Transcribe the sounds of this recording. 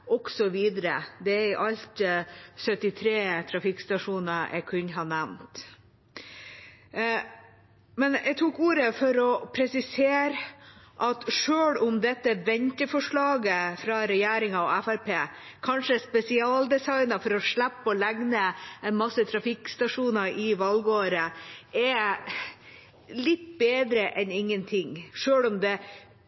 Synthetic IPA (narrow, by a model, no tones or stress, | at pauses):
ʔɔksɔʋiːd̪əɾə̰d̪ɛɪʔɑʎt̪sœt̪ɪt̪ʰɾeːt̪ʰɾɑfɪkst̪ɑʂuːnəʔɛ̰kʰʉnɦɑnæʋnt̪ | mɛnæɡt̪ʰuːkuːɾəfɔɾɔpʰɾɛsɪseːɾʔɑt̪ʂøːɭʊmd̪ɛt̪ːəʋɛnt̪əfɔʂɭɑːɡəfɾɑɾɛjæːɾɪŋɑɔ̰æfæɾpeːkʰɑnʂəspɛsɪɑːld̪ɛsɑɪnɑfɔɾɔʂɭæpːəɔlæɡnəɛnmɑsːət̪ʰɾɑfɪkst̪ɑʂuːnɑɾɪʋɑlɡoːɾəɛ | lɪt̪ːbeːd̪ɾəʔɛnɪŋːənt̪ʰɪŋʂøːlʊmd̪ɛ